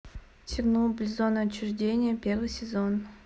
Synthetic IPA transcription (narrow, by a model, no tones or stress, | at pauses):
tʲɪrnulˠblʲzonət͡ɕːʊʐdʲenʲɪjəpʲervɨjsʲɪzon